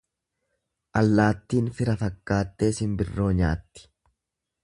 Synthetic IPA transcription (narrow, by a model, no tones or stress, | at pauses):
ʔɐlːaːt̪ːiːnfɪɾɐfɐkːaːt̪ːe̞ːsɪmbɪrːo̞ːɲaːt̪ːɪ̥